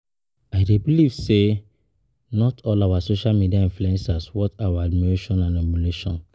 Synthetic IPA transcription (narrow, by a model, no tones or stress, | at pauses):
aɪdebilivse | nɔtʰɔlawasoʃalmidiaĩnfluɛ̃nsaswɔtawaadmiɹeʃɔ̃nãnɛmuleʃɔ̰̃n